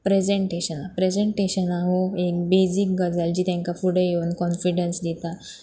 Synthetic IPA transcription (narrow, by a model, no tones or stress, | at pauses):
pɾed͡zeɳʈeɕənapɾed͡zeɳʈeɕənaɦoek̚bed͡zikɡəd͡zald͡ʑiːt̪jãŋkafuɽejenkɔnfiɽənsd̪it̪a